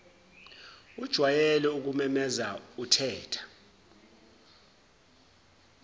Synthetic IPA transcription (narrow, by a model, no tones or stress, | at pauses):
ud̥ʒ̥ʱwajɛlɛuk̬umɛmɛzautʰɛːtʰḁ